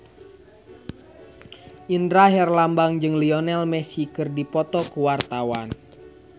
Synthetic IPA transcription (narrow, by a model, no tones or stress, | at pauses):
ʔindɾaɦɛrlambaŋd͡ʒɨŋliɔnɛlmɛsikɨrdipɔt̪ɔkuwart̪awan